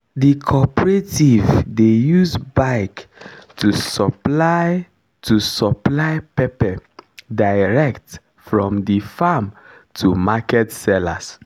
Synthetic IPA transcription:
dikʰɔpɹetivdejuzbaɪktʰusɔplaɪ | tʰusɔplaɪpɛpɛdajɹɛkt | fɹɔ̃mdifam | tʰumakɛtsɛla̰s

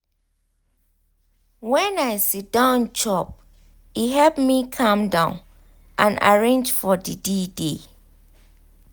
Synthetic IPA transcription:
wɛ̃naɪsit̚d̥ãʊnt͡ʃʰɔp̚ | iɦɛlpmikʰãmdãʊ̃n | ʔã̰na̰ɹẽnd͡ʒfɔdidide

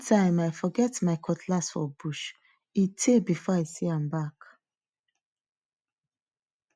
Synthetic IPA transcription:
tʰãɪ̃maɪfɔɡɛtmaɪkʰɔtʰlasfɔbuʃ | itʰebifɔaɪsiãmbak

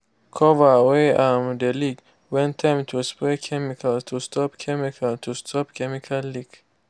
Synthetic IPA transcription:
kʰɔvaweʔamd̪əliɡ | wɛ̃nt̪ʰːãmt̪ʰusplekʰɛmikʰalt̪ʰustʰɔpkʰɛmikʰalt̪ʰust̪ʰɔpkʰɛmikʰalːiɡ

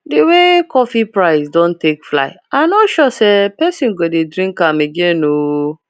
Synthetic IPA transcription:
dewekɔfipɹaɪsdõntekfla̰ɪamnɔtʃɔsepɛsĩnɡodedɾĩŋkãmeɡẽno

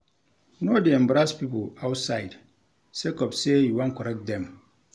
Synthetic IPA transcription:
nɔdiɛ̃mbɾaspipəlawtsajd | sekɔpsejuwãnkɔɾɛk̚t̚d̪ɛ̃m

